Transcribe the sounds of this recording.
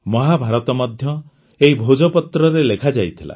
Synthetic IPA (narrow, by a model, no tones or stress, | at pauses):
mɔɦabʱaɾɔt̪ɔmad̪ʱjɔ | eɦibʱod͡ʒɔpɔt̪ɾɔɾelekʰad͡ʒajt̪ʰila̰